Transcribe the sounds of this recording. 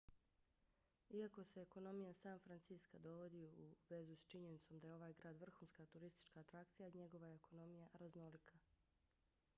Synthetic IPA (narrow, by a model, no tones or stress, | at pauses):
iako̞se̞ːko̞no̞mijasaːnfɾant̪siskad̪o̞ʋo̞d̪iuʋe̞zust͡ʃiɲe̞nit̪so̞md̪aje̞o̞ʋaːjɡɾaːd̪ʋr̩xuːnskat̪uɾist̪i̥t͡ʃkaːt̪ɾak̚t̪sijaiɲe̞ɡo̞ʋaeeko̞no̞mijaɾazno̞likʰa